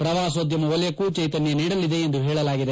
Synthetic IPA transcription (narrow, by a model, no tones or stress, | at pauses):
pɾɐʋaːsoːd̪jɐmɐɔlɛjɐkuːt͡ʃɐjt̪ɐnjɐniːɽɐlːid̪e̞ːnd̪uɦɛːɭɐlaːɡid̪e